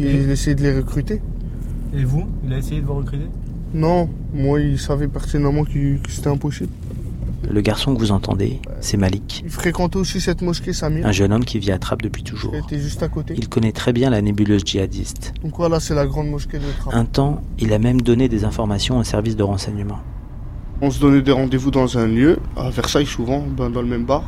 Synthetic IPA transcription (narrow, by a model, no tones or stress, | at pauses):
ilɛsejed̪əleʁəkχyt̪e | evuilaesejed̪əvuʁəkχyt̪e | nɔ̃ | mwailsavɛpaʁt̪id̪namɑ̃kəkə̥se̥t̪ɛɛ̃pɔsibl | ləɡaʁsɔ̃kvuzɑ̃t̪ʰɑ̰̃d̪ḛ | sɛmalik | ilfχekɑ̃t̪ɛosisɛt̪mɔskʲesamiɛ̃ʒənɔmkʲiviat̪χap̚d̪əpɥit̪uʒṵːeʁt̪ɛʒyst̪akot̪eilkɔnɛt̪χɛbjɛ̃lanebyløzʒiad̪ḭst̪d̪̥ɔ̃kvwalasɛlaɡʁɑ̃d̪mɔskʲed̪ət̪χaɛ̃t̪ɑ̃ilamɛmd̪ɔned̪ezɛ̃fɔʁmasjɔ̃osɛʁvis̬d̪əʁɑ̃sɛɲəmɑ̃ | ɔ̃s̬əd̪ɔnɛd̪eʁɑ̃d̪evud̪ɑ̃zɛ̃ljøa̰vɛʁsajsuvɑ̃bɛ̃d̪ɑ̃ləmɛmbaʁ